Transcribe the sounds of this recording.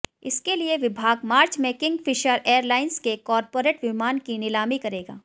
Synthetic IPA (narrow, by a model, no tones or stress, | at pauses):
ɪskelieʋɪbʱaːɡmaːɾt͡ʃmẽkɪ̃ŋɡfɪʃəɾeːəɾlaːɪnskekɔːɾpoːɾeːʈʋɪmaːnkinɪlaːmikɐɾeːɡa̰ː